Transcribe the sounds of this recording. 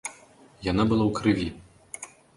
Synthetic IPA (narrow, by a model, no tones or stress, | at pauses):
janabɨlˠawkɾɨvʲi